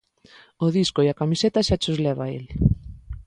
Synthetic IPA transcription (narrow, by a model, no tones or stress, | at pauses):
oðiskoiakamiset̪aʃat͡ʃozlɛβaḛl